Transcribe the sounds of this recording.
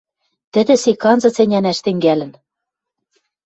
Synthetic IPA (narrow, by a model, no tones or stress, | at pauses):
t̪ɘ̆d̪ɘ̆sekɑnzɤ̆t͡sĕnʲænæʃt̪ɘ̆ŋɡælɘ̆n